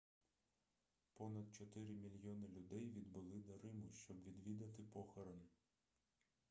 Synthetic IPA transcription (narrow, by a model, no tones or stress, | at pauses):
pɔnɐd̪̚t͡ʃɔt̪ɪɾɪmʲilʲjɔnɪlʲʊd̪ɛjʋʲid̪bʊlˠɪd̪ɐɾɪmʊʃt͡ʃɔbʋʲid̪ʋʲid̪ɐt̪ɪpɔxɔɾɔn